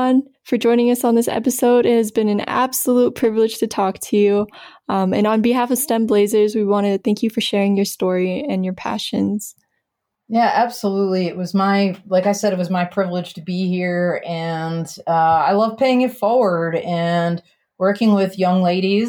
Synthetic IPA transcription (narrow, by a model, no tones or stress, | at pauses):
n | fə˞d͡ʒɔ̃ɪ̃ñɪ̃ŋʌsn̩ðɪsɛ̰pɨsoʊɾɪt̚hɨzbɨ̃nɨ̃næ̰b̥səlut̚pʰɹ̥ɪvlɨd̥ʒ̥tʰɨtʰɔk̚tʰɨjʉ | ʌ̃mɨ̃nə̃nbɨɦæfʌv̥stɛ̃mbleɪzə˞zwiwɑ̃ɾ̃ɨɨθæ̃ŋkʰjɨfə˞ʃɛɹɪ̃ŋjə˞stɔɹiɨ̃njə˞pʰæ̰ʃɨ̃nz̥ | jæʔæb̥səlutˡliɨʔ̚wʌzmaɪlaɪkaɪsɛɾɨt̚wʌzmaɪpʰɹ̥ɪvlɪd̥ʒ̥tʰɨbihiɹɨ̃nʌaɪlʌv̥pʰeɪɪ̃ŋɨtfɔɹwə˞ɾɨ̃n | wɜ˞kɪ̃ŋwɪðjʌ̃ŋleɪɾiz